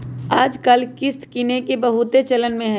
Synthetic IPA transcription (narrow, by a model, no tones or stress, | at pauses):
aːd͡ʒkɐlkɪst̪kinekebɐɦʊt̪et͡ʃɐlənmẽɦɛ̃